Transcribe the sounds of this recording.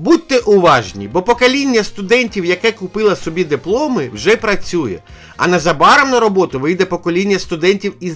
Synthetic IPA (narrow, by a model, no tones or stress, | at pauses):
but̪ːɛʔʊʋɑʒnʲḭbɔpɔkɐlʲinʲːɐst̪ʊd̪ɛnʲtʲiwjɐkɛkʊpɪlˠɐsɔbʲid̪ɪplˠɔmɪwʒɛpɾɐt͡sʲujɛ̰ | ɐ̰nɐzɐbɑɾɐmnɐɾɔbɔt̪ʊʋɪjd̪ɛpɔkɔlʲinʲːɐst̪ʊd̪ɛnʲtʲiwiz